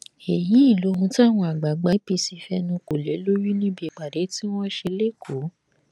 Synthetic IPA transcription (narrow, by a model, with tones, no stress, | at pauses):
e˨jĩ˨˦i˦˨lo˨˦hũ˧ti˦a˦˨w̃ɔ̃˧a˨ɡ͡ba˨ɡ͡ba˧˦pe˧si˧fɛ˧nũ˧ko˨le˨˦lo˦ju˦nĩ˦bi˦i˨k͡pa˨de˨˦ti˦w̃ɔ̃˦ʃe˧le˦˨kʰo˨˦